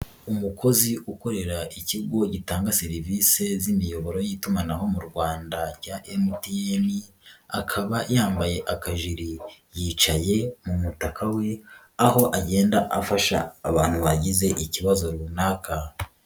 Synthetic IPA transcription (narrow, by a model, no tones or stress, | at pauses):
umukʰo̞ziʔuko̞ɾe̞ɾaʔiciɡo̞ɟitaːŋɡase̞ɾivise̞zimijo̞βo̞ɾo̞jiːtumanaɦo̞muɾɡwaːndacaʔemutiemi | akʰaβajaːmbaje̞ʔakaʒiɾijiːt͡ʃaje̞mumutakawe̞ | aho̞ʔaɟe̞ːndaʔafaʃa̰ːβaːn̥huβaɟize̞ʔiciβazo̞ɾuβunaːkʰa